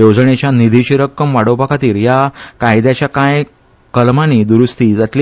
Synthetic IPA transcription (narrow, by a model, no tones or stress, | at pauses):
od͡zɳet͡ɕjanid̪ʱit͡ɕiɾəkːəmʋaɽopakʰat̪iːɾjakajd̪jat͡ɕjakãj | kəlmanid̪uɾust̪iːd͡zat̪li